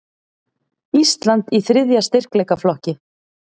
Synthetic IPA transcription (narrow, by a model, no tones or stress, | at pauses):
ist̪lant̪iθɾɪðjast̪ɪr̥klɛjkaflɔhcɪ